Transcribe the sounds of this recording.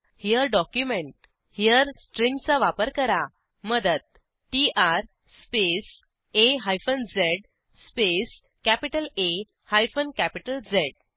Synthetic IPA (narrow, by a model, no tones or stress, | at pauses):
hijəɾɖɔkjumẽɳʈ̚ | hijəɾsʈɾĩŋɡt͡saʋapəɾkəɾa | məd̪ət̪̚ | ʈiʔaɾ | spes | eɦajfənd͡zeɖ | spes | kæpiʈəle | hajfənkæpiʈəld͡zeɽ̚